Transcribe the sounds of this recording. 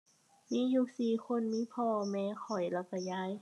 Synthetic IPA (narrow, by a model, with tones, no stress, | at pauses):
miː˧˥˨ju˧˩k̚siː˨˩xʰo˧˥˨nmiː˧˥˨pʰɔː˧˩mɛː˧˥xʰɔ˨˩jla˧˩wka˧˩jaː˧˥˨j